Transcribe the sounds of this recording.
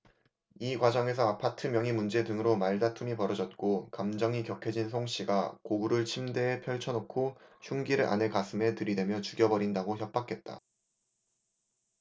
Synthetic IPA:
ikwad͡ʑʌŋe̞s̬ʰʌapʰatʰɯmjʌŋimund͡ʑe̞dɯŋɯɾomaɭdatʰumipʌɾʌd͡ʑʌt̚k͈okamd͡ʑʌŋikjʌkʰed͡ʑinsʰoŋɕ͈iɡakoɡuɾɯɭt͡ɕʰimde̞ːpʰjʌɭt͡ɕʰʌnokʰoɕʰuŋɡiɾɯɾʔa̰nekasʰɯme̞tɯɾide̞mjʌt͡ɕuɡjʌbʌɾindaɡoçjʌp̚p͈akʰe̞t̚t͈a̰

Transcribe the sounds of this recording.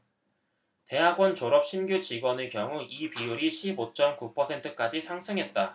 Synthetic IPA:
te̞ɦaɡwʌnt͡ɕoɾʌp̚ɕ͈ʰinɡjut͡ɕiɡwʌnɯɭkjʌŋuʔipiuɾiɕʰibot͡ɕ͈ʌmkupʰʌsʰe̞ntʰɯk͈ad͡ʑisʰaŋsʰɯŋɦe̞t̚t͈a

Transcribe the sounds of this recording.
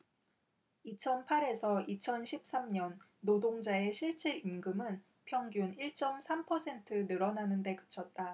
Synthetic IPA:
it͡ɕʰʌnpʰaɾe̞sʰʌit͡ɕʰʌnɕʰip̚s͈amɲʌnː | odoŋd͡ʑae̞ɕʰiɭt͡ɕ͈iɾinɡɯmɯn | pʰjʌŋɡjuniɭt͡ɕ͈ʌmsʰampʰʌsʰe̞ntʰɯnɯɾʌnanɯnde̞kɯ̥t͡ɕʰʌt̚t͈a

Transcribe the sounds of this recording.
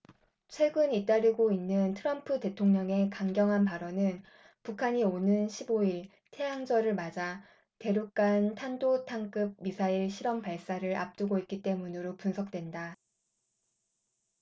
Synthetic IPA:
t͡ɕʰwe̞ɡɯnit͈aɾiɡoinːɯntʰɯɾʌmpʰɯte̞tʰoŋɲʌŋe̞kaŋɡjʌŋɦanpaɾʌnɯn | pukʰaɲionɯnɕʰiboiɭ | tʰe̞ɦaŋd͡ʑʌɾɯɭmad͡ʑa | te̞ɾuk͈antʰandotʰaŋk͈ɯb̚misʰaiɭɕʰiɾʌmpaɭs͈aɾɯɾa̰p̚t͈uɡoik͈it͈e̞munɯɾopunsʰʌk̚t͈we̞nda

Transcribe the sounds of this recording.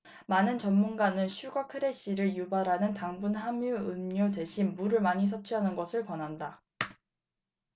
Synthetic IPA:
manɯnt͡ɕʌnmunɡanɯnɕʰuɡakʰɯɾe̞ɕ͈iɾɯɭjubaɾɦanɯntaŋbunɦamjuɯmɲodwe̞ɕʰinmuɾɯɭmaɲis̬ʰʌt͡ɕʰuɦanɯnɡʌsʰɯɭkwʌnɦanda

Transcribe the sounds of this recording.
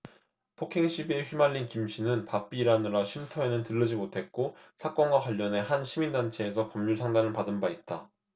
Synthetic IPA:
pʰokʰeŋɕʰibie̞ɸɥimaʎːinkimɕʰinɯnpap͈̚iːɾanɯɾaɕʰimtʰoe̞nɯntɯɭːʌd͡ʑimotʰe̞t̚k͈o | sʰak͈ʌnɡwaxwaʎːʌne̞hanɕʰimindant͡ɕʰe̞ːsʰʌkʌmɲusʰaŋdanɯɭpadɯnbait̚t͈a

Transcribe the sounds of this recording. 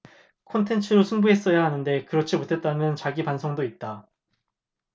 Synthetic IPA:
kʰʌntʰe̞nt͡ɕʰɯɾosʰunbuɦe̞s͈ʌjaɦanɯnde̞kɯɾʌt͡ɕʰimotʰe̞t̚t͈amjʌnt͡ɕaɡipansʰoŋdoit̚t͈a

